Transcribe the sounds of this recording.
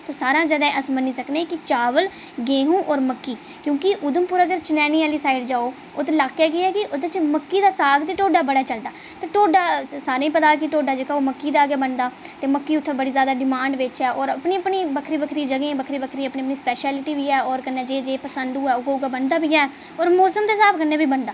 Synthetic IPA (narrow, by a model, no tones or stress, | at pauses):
t̪oːsaːɾãːd͡ʒəd̪ɛ̃ːʔəsməniːsəkneːkɪt͡ʃaːʋəl | ɡeːɦũːʔɔːɾməkːiː | kjõːkɪʔʊd̪əmpʊɾəɡəɾt͡ʃɪnɛːniːaːliːsaːɪɖd͡ʒaːoː | ot̪elaːkːjeːɡɪɛːkɪʔʊd̪et͡ʃməkːiːd̪aːsaːɡt̪iːʈoːɖaːbəɽaːt͡ʃəld̪aː | t̪aːʈoːɖaːsaːɾẽːĩpət̪aːkɪʈoːɖaːd͡ʒekaoːməkːiːd̪aːɡjaːbənd̪aːt̪eːməkːiːʊt̪ʰːẽːbəɽiːzjaːd̪aːɖɪmãːɳɖʋɪt͡ʃɛːʔɔːɾəpɳiːəpɳiːbəkʰɾiːbəkʰɾiːd͡ʒəɡẽːbəkʰɾiːbəkʰɾiːəpniːəpniːspɛːʃɛːlɪʈiːʋiːɛːɔːɾkənːeːd͡ʒeːd͡ʒeːpəsənd̪ũːɛːʊɡaːʊɡaːbənd̪aːbiːaːɛː | ɔːɾmɔːsəmt̪eːsaːpkənːeːbiːbənd̪aː